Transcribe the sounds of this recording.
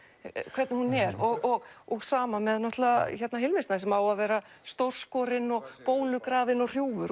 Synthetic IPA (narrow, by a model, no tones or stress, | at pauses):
kʰv̥ɛɾt̪nɪhunːɛɾɔɣɔɣɔɣsaːmamɛðnɔht̪laaçɛt̪naɦɪlvɪst̪nasɛmawavɛːɾast̪owr̥skɔɾɪnːɔɣpoːwlʏkɾaːðɪnɔɣr̥juːvʏɾ